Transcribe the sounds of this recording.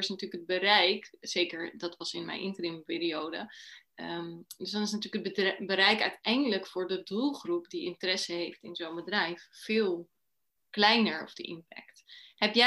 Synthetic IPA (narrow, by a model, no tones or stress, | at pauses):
ɹɪsnatyːləkəd̚bərɛjkz̥ejkəɹdɑtʋɑsɪnmɛ̰jnʔɪ̰ntərɪmpɪːɾiowdə̰ | døsdɑnɪsnatyːləkəd̚bbəɾɛjkœɥtɛjndələkfʊːɹdədulˠχrupdiɪntərɛsəɦejftɪnzownbədrɛjfːɪːlˠ | klɛjnəɹɔ̰vdə̰ʔɪ̰mpɛ̰ktɦɛpjɛ